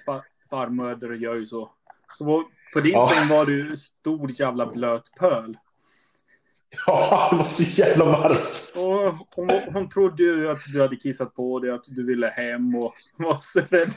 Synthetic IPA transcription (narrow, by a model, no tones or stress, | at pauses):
fa | faɾmøːd̪əɾjœːɾjsɔ | sɔva | pʰɔd̪ɪnɛnvaɖɵst̪uːɾjæːvlabløːt̪pʰœːl | ɑːd̪ɛvasɔjæːvlamaɾkt̪ɔhʊnɦʊnt̪ʰɾʊd̪ːəjɵat̪d̪ɵhad̪ːəkʰɪsːat̪̚pʰɔd̪ɛat̪d̪ɵvɪlːəhɛmːɔ | vasɛɾɛd̪